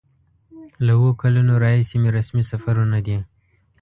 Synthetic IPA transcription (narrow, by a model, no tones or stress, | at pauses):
lawokalanoɾɑhisemeɾasmisafaɾunad̪i